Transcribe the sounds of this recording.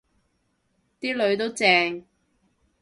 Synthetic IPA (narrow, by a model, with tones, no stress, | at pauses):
t̪iː˥lɵ˨˧ɥt̪o˥wt͡sɛː˧ŋ